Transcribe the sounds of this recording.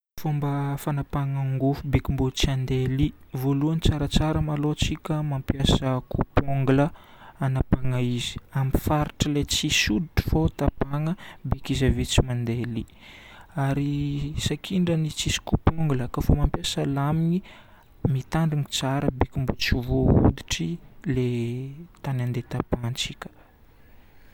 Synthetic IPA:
fombəfanapaŋaŋɡufubekʲimbot͡siand̪elivoluənit͡saɾət͡saɾəmalot͡sikʲəmampjasəkʰupoŋɡulə | anapaŋaizi̥amifaɾiʈ͡ʂəlet͡sisud̪iʈ͡ʂi̥fot̪apaŋəbekizavit͡simand̪eli | aɾisakʰiɳɖ͡ʐənit͡sisi̥kupoŋɡuləkafomampjasəlamini | mit̪aɳɖ͡ʐiŋit͡saɾəbikʲimbut͡sivoṵd̪i̥ʈ͡ʂilet̪anand̪et̪apant͡sikʲə̥

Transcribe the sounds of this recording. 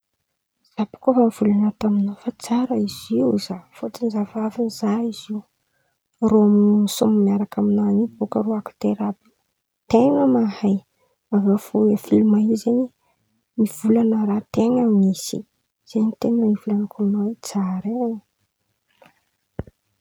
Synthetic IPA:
z̥apu̥kofamiv̥ulanat̪aminofat͡saɾəiziwzafot͡sinizavavinizaiziw | roamininisummiaɾakaminanibokəɾoakḁt̪eɾabi̥ | t̪eŋəmahaj | avafoafilumaɦizeɲi | miv̥ulanəɾat̪eŋamisḭ | z̥eɲit̪eŋnəmiv̥ulanəkʰulunawet͡saɾen

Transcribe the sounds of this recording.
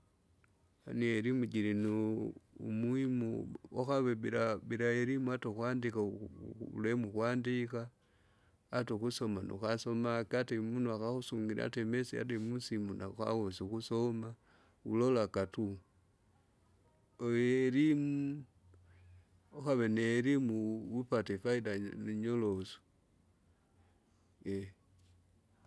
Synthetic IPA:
anieɾimud͡ʒiɾino | mwuimuoxaβeβiɾaβiɾajeɾimuatoxwaːndikaṵlemuxwaːndikaː | toxuso̞mano̰xaso̞makatemunuaxaxusuŋɡiɾ̰a̰temesia̰temusimuna̰xa̰wosixusoma | ṵlolakatu | oeɾimu | oxaβeneɾimuwupatefaidaniɲoloso̥ | je

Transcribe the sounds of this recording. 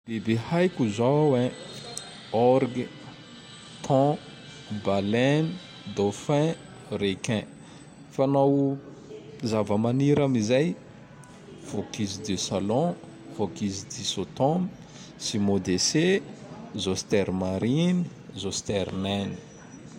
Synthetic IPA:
b̥ebehajkuzawẽ | ɔɾɡi | t̪ʰɔ̃ | balɛni | d̪ofɛ̃ | rekɛ̃ | fanaw | zavəmaniɾamizaj | v̥okizid̪esalɔ̃ | vokizid̪isot̪ɔm | simod̪ese | zost̪ɛɾmaɾini | zost̪ɛɾmɛni̥

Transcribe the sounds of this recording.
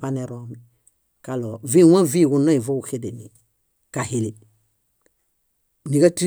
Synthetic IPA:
aneɾomi | kaloviwãviːɡunaivouxedeni | kahili | nikati

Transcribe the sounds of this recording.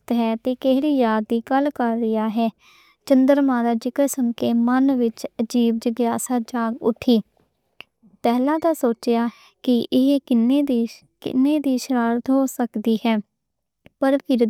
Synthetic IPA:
t̪ɦɛːt̪eːkeːɽiːjaːd̪ːiːɡəlkəɾːɪjaːɦɛː | t͡ʃənd̪əɾmaːɾaːd͡ʒɪkəsəmkeːmənʋɪt͡ʃəd͡ʒiːb̚d͡ʒəɡjaːsaːd͡ʒaːɡʊʈʰːiː | pɛːlãːt̪aːsoːt͡ʃjaː | kɪʔɪɦkɪned̪ː | kɪ̰nːeːd̪iːʃəɾaːɾt̪ɦoːsəkd̪iːhɛː | pəɾpʰɪɾ

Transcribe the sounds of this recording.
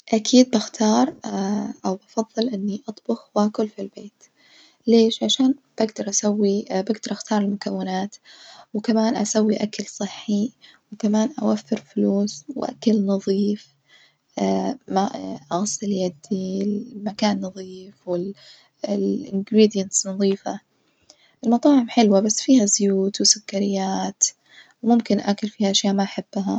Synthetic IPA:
ʔakʰiːd̪̚baxt̪ʰɑːɾˤʔawbɑfɑðˤːɨlʔɪnːiʔɑt̪ˤbʊxwʔakʊlfilbeːt̪ | leːʃʕaʃaːnb̥aɡd̪ɑɾˤʔasawːibaɡd̪ɑɾˤʔaxt̪ɑːɾˤɪlmʊkawːɪnaːt̪wkamaːnʔa̰sawːiʔakalsˤɨħːi | wɪkamaːnʔa̰wafːɪɾfʊluːsw̰ʔa̰kalnɑðˤiːf | amaʔɑɣsˤɪljad̪imakaːnːɑðˤiːfwɪl | ɪlʔɪnɡɾiːd̪ijansnɑðˤiːfa | ʔɪlmɑt̪ˤɑːʕɪmħɪlwabasːfiːhazʊjuːt̪wɪsʊkːaɾɪjːaːt̪ | wmʊmkɪnʔa̰kʊlfiːhaʔaʃjaːʔmaʔaħab̥ːaɦa

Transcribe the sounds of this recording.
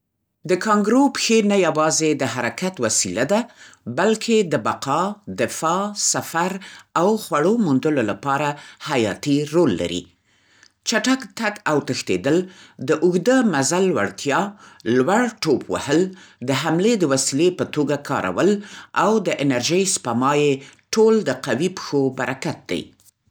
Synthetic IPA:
d̪əkɑŋɡɾopxenajawɑzed̪əɦaɾakat̪wasilad̪abalkʰed̪əbaqɑd̪ɪfɑsafaɾawxwaɽomund̪əlolapɑɾahajɑ̰t̪iɾolːa̰ɾḭ | t͡ʃaʈakt̪akawt̪əxt̪ḛd̪əld̪əʔʊɣd̪əmazalwa̰ɽt̪jɑlwaɽʈopʰwa̰həld̪əɦamled̪əwasilepət̪oɡakʰɑ̰ɾʔa̰wəlawd̪əʔɪnaɾʒəjspamɑjeʈold̪əqawipə̥xobaɾʔakat̪̚d̪a̰j

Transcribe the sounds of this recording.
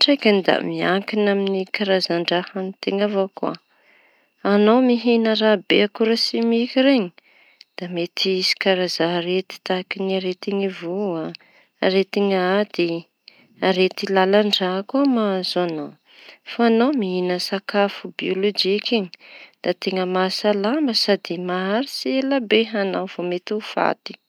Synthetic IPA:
ʈ͡ʂajkanid̪a̰miaŋkinaminikaɾazaɳɖ͡ʐahanit̪eŋavokua̰ | anomiɦinəɾabeakuɾasimikiɾeɲi̥ | d̪̥amet̪iisi̥kaɾazaɾet̪i̥t̪akiniaɾet̪iŋivua | aɾet̪iŋad̪i | aɾet̪ilalaɳɖ͡ʐakumaazanaw | faanawmiɦinəsakafubiolod͡ʒikeɲi̥d̪̥at̪eŋəmasalambəsad̪imaaɾisielabeɦanawv̥omet̪ufa̰t̪i̥

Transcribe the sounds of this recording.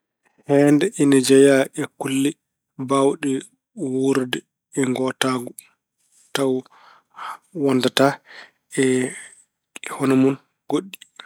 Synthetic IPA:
hɛndɛʔinɛd͡ʒɛjaʔɛkulːi | bawɗɛ | wuɾdɛ | ɛŋɡɔtaɡu | taw | wɔndata | ɛ | hɔnɔmun | ɡoɗːi

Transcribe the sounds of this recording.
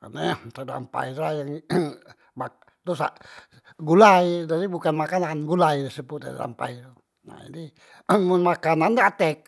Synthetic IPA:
ka̰najat̪əda̰mpa̰iajaŋ | bak̚ | t̪usa̰ʔ | ɡulajd͡ʒaɾibukanmakananɡulajrisəbut̪ə̰da̰mpa̰jtu | na̰ḭdi | munmakanandaat̪ɛk̚

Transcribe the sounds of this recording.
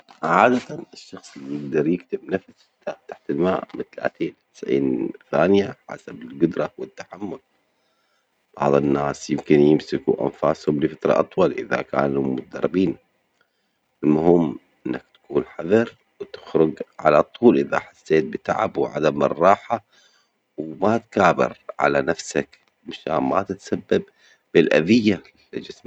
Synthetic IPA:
ʕaːd̪at̪anɪʃːɑxsˤijɪɡ̚d̪ɑɾˤjɪkt̪ɪbnafs | t̪aʔt̪ḁħt̪ɪlma̰ːʔmɪ̰nt̪ala̰ːt̪eːnt̪ɪ̥sʕḭːnθa̰ːnɪjaħa̰sabɪlɡʊd̪ɾˤɑwɪt̪ːḁħamːʊl | b̥ɑ̰ʕðˤɨnːaːsjɪmkɪnjɪmsɪkuʔa̰nfaːshʊmlɪfat̪ɾˤɑ̰ʔɑt̪ˤwɑlʔɪða̰ka̰ːnumʊt̪ad̪ɑrˤːɪbiːn | ɪlmʊhɪmːʔɪnːak̚t̪ḁkuːnħɑðɑɾˤ | wt̪ɪ̥xɾʊɡʕa̰lat̪ˤːuːlʔɪða̰ħasːeːt̪̚bɪt̪a̰ʕa̰bwʕa̰d̪amɪrˤːɑːħa | wmat̪kaːbɪ̰ɾʕa̰lanafsak | mʃa̰ːnma̰t̪ɪt̪sabːab | b̥ɪlʔa̰ðɪjːa | lɪd͡ʒɪsm

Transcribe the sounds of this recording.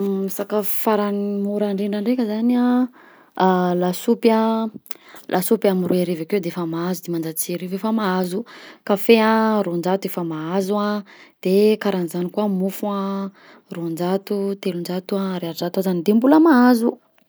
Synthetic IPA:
misakafaɾanmuɾaɳɖ͡ʐeɳɖ͡ʐaɳɖ͡ʐekʲəzana | lasupa | lʔasupjamirueɾevakewd̪eefamaazud̪emand͡zat͡siɾevefəmaazukafearond͡ʒat̪uefəmaazuad̪̥ekaɾanizanikuamufua | rond͡ʒat̪ut̪elund͡ʒat̪uaɾeaɾd͡ʒat̪azanid̪embuləmaazu

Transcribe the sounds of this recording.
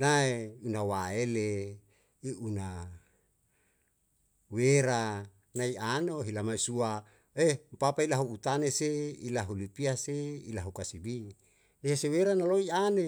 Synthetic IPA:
naeunawaele | iuna | weɾa | naianoɦilamaisua | empapailaɦuut̪aneseilaɦulipiaseilaɦukasibi | eeseweɾanaloiane

